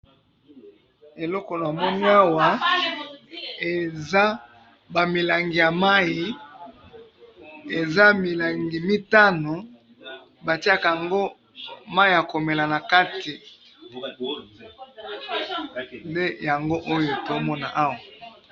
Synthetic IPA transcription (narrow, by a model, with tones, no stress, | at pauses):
e˨lɔ˦ko˨n˨a˨mɔ˦ni˦a˦wa˨ | e˨za˦ | ba˨mi˨la˨ŋɡi˨ja˨ma˦i˨ | e˨za˦mi˨la˨ŋɡi˨mi˦ta˦no˨ | ba˨ti˦a˦ka˨a˨ŋɡo˦ | ma˦i˨a˨ko˨me˨la˨na˨ka˦ti˨ | nde˦ja˨ŋɡo˦ʔo˦jo˨to˦mɔ˦na̰˨ʔa˦wa˨